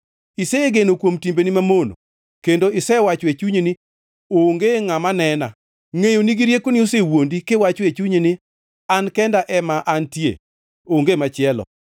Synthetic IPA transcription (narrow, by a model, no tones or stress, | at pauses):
isɛɡenokwomtimbenimamono̰ | kendoɪsɛwat͡ʃwet͡ʃuɲenɪ | oŋɡeŋamanɛna | ŋejoniɡiɾjekonɪosewondikɪwat͡ʃɔet͡ʃuɲenɪ | ankɛndaʔɛmaʔantjḛ | oŋɡemat͡ʃɪɛlɔ̰